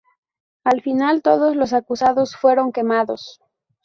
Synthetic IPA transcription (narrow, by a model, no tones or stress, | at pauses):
alfinalt̪o̞ðo̞zlo̞s̬akusaðo̞sfwe̞ɾo̞ŋke̞maðo̞s